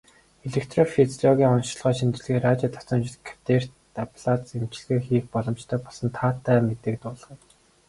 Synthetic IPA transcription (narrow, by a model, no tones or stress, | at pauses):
eɮekt̪rɔfit͡sɮɔɣʲiːɔnʃ̆ɮʁ̥aːʃint͡ɕɪ̆ɮɣeːraːt͡ɕaːt̪ʰɔ̥t͡sɞ̆mt͡ɕɪ̆ɮkʰḁt̪er̥t̪ | apʰɮat͡semt͡ɕɪ̆ɮɣeːxiːxpɔɮɞ̆mt͡ɕt̪ʰœːpɔɮsɞ̆nt̪ʰaːt̪ʰːæːmet̪eːk̚t̪ʊːɮ̆ʁĭ